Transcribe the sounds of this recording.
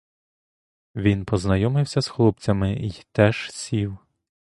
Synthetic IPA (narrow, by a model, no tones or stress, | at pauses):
ʋʲinpɔznɐjɔmɪwsʲɐsxlˠup̚t͡sʲɐmɪjt̪ɛʒsʲiw